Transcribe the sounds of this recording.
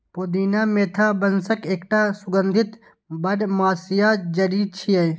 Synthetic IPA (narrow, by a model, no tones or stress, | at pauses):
poːd̪iːnaːmeːt̪ʰaːbɐnsɐkeːkʈaːsʊɡɐnd̪ʱit̪ | bɐɖmaːsijaːd͡ʒɐɾiːd̪̚t͡ʃʰijɐj